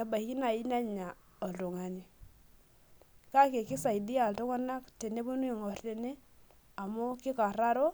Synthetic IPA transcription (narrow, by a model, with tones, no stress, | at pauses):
a˨ba˨i˦ki˦na˨i˦na˦ɲa˨ | ɔ˨lto˨ŋa˨ni˨ | ka˦ke˨kɪ˦sa˨i˨dɪ˦a˨ltʊ˦ŋa˦na˦kte˨ne˦bo˦nu˦i˦˨ŋɔ˨rte˨ni˦ | a˨mʊ˦kɪ˦ka˨ɾa˦ɾo˦